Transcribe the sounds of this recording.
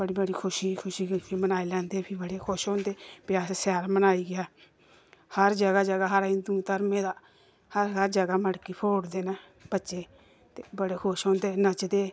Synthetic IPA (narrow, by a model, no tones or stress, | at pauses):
bəɽiːbəɽiːkʰʊʃiːkʰʊʃiːɡpʰimənaːilɛ̃ːnd̪eːpʰibəɽeːkʰʊʃõːnd̪eːpɪaːssaːɾmənaːiːɡɪjaː | həɾd͡ʒəɡaːd͡ʒəɡaːɦəɾĩːd̪ut̪əɾmẽːd̪aː | həɾɦəɾd͡ʒəɡaːməɽkiːpʰoːɽd̪eːnɛː | bətːʃeː | t̪eːbəɽeːkʰʊʃõːnd̪eːnət͡ʃd̪eː